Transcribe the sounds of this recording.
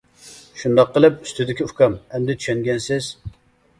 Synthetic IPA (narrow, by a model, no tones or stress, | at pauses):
ʃund̪ɑqːəlˠɨp̚y̥st̪ʰyd̪ɪkʲiuhkʰɑmɛmd̪ɪt̪ʰy̥ʃɛnɡʲɛnsɪz̥